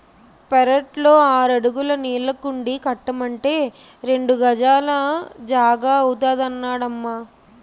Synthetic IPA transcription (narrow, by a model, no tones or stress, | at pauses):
pɛɾɐʈlo̞ːaːɾɐɽuɡulɐniːlːɐkuɳɖikɐʈːɐmɐɳʈe̞ː | ɾe̞ɳɖuɡɐd͡ʒaːlɐd͡ʒaːɡaːɐwut̪aːd̪ɐnːaːɽɐmːaː